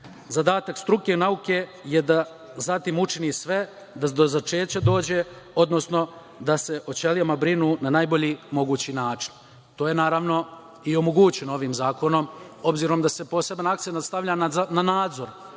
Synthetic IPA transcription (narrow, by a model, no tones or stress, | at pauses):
zad̪aːt̪akst̪ɾuke̞nauke̞ | jed̪a | zat̪iːmut͡ʃiniːsʋe̞ | d̪ad̪ozat͡ʃe̞ːt͡ɕad̪o̞ːd͡ʑe̞ | o̞d̪no̞sno̞ | d̪ase̞ʔo̞t͡ɕe̞ljamabɾinuːnanaːjbo̞ʎiːmo̞ɡuːt͡ɕinaːt͡ʃi̥n | t̪o̞ːje̞naːɾaʋno̞ | io̞mo̞ɡuːt͡ɕeno̞ʋiːmzaːko̞no̞mo̞bziːɾo̞md̪ase̞po̞se̞banak̚t̪senat̪st̪aʋʎaːnanaːd̪zo̞ɾ